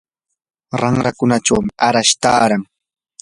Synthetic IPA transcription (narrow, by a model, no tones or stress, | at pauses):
ɾaŋɾakʊnaʈ͡ʂawmɪʔaɾaʃt̪a̰ːɾaŋ